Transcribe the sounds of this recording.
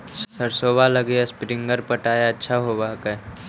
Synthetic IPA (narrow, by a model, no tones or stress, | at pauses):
ssəɾsoːbaləɡeaspɾɪ̃ŋɡəɾpəʈaːjaətːʃʰaɦobaːkɛ